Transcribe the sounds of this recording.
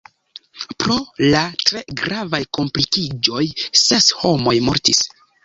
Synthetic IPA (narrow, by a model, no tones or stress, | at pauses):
pɾo̞latɾe̞ɡɾavajko̞mplikid͡ʒo̞jse̞sho̞mo̞jmo̞ɾtis